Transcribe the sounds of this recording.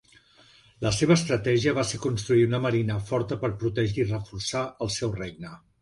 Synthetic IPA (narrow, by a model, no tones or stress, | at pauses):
ləseβ̞əːst̪ɾət̪ɛʒiəβaseɾkunst̪ɾuit̪unəməɾinəfɔɾt̪əpəɾpɾut̪ɛʒirəfuɾsaəlˠsɛwreɡ̚nə